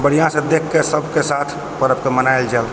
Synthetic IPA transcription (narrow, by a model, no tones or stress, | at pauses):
bəɽ̤ijãsə̃d̪ekʰːesəbʱkesat̪ʰ | pəɾəpkemənaeld͡ʒal